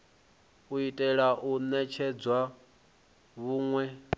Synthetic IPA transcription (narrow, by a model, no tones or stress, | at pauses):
uitʼɛɺaʔunɛt͡ʃʰɛd͡zwa | βuːŋwɛ